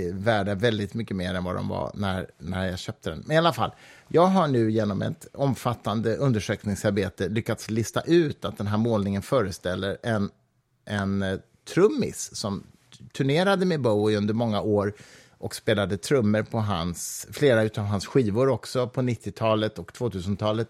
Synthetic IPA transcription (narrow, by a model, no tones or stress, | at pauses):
væːɖavɛld̪ɪt̪mʏkːəmeːɾɛnvad̪ɔ̰mva̰næ̰ɾnæɾjaɕœːp̚t̪ʰəd̪ɛ̰nmɛnɪalafa̰lːjʔɑːɡɦaɳʉ̟ːjeːnɔmɛ̰t̪ɔmfat̪ːand̪əʔɵnd̪əʂøːknɪŋsaɾbeːt̪əlʏkːat̪slɪst̪a̰ʔʉ̟ːt̪at̪̚d̪ɛnɦæːɾmoːlnɪŋənfœːɾəst̪ɛlːəɾɛn | ʔɛn | t̪ʰɾɵmːɪ̰ssɔm | t̪ʰɵɳeːɾad̪əmɛboʊɪɵnd̪əɾmɔŋːaʔoːɾ | ʔɔkspeːlad̪ət̪ʰɾɵmːəɾpʰɔɦansfleːɾaʉ̟ːt̪aːvɦansɧiːvʊɾɔksɔpʰɔnɪt̪ʰːɪt̪ʰɑːlət̪ɔkt̪ʰv̥oːt̪ʰʉ̟ːsənt̪ʰɑːlət̪